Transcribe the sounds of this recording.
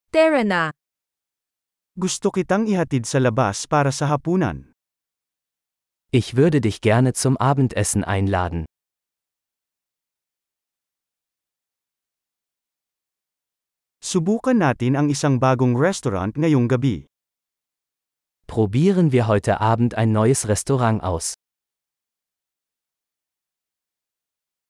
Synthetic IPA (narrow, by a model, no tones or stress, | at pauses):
t̪ɛɹɐna | ɡʊst̪okɪt̪aŋɪhɐt̪id̪sɐlɐba̰spaːɾɐsɐɦɐpuːnɐ̰n | ʔɪçvʏɐdədɪçɡ̥ɛɐnət͡sʊmʔaːbm̩tʰʔɛsn̩ʔa̰ɪnla̰ːdn̩ | sʊbuːkɐnːaːt̪ɪnɐŋɪsaŋbaːɡʊŋɹɛst̪oɾa̰nt̪ŋɐjʊŋɡɐbḭ | pʁ̥obiːʁənviːɐɦɔʏtʰə̰ʔaːbm̩ta̰ɪnːɔʏəsʁɛstoʁaŋʔa̰ʊs